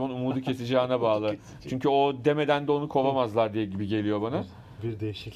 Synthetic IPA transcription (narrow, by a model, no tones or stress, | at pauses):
manumuːd̪ɯcʰe̞sid͡ʒaːnabaːlˠɯ | t͡ʃʰyɲcyo̞d̪eme̞d̪ænd̪ɛo̞nukʰo̞vamazlˠaɾd̪ijɛɟibiɟe̞lʲijo̞bana | biɾd̪ejiʃ